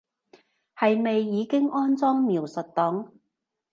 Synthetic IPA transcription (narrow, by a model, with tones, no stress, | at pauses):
hɐ˨jme˨jːiː˨˧kɪ˥ŋʔɔː˥nt͡sɔː˥ŋmiː˨˩wsɵ˨t̚t̪ɔ˨˥ŋ